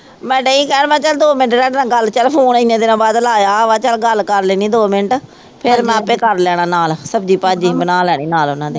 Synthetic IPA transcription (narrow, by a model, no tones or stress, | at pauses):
mɛ̃ːɖeːĩːkɛːnmɛ̃ːt͡ʃəld̪oːmɪnəʈɾɛ̃ːɖnãːɡəlt͡ʃəlpʰoːnɪnːẽːd̪ɪnãːbaːd̪laːjaːʋaːt͡ʃəlɡəlkəɾleːnĩːd̪oːmɪnəʈ | pʰɪɾmɛ̃ːpeːkəɾlɛːɽ̃ãːnaːlsəbd͡ʒiːpaːd͡ʒiːbənãːlɛːɽ̃eːnaːlʊnãːd̪eː